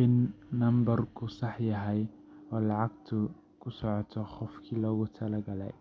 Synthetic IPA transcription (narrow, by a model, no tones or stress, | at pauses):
ɪnːɐmbɐrkʰʊsɑħjɐɦɛj | ɔːlɑʕɑɡ̚t̪ʰʊ | kʰʊsɔʕɔt̪ʰɔχɔfkʰiːlɔːɣʊt̪ʰɐlɐɡɐlɛ̰j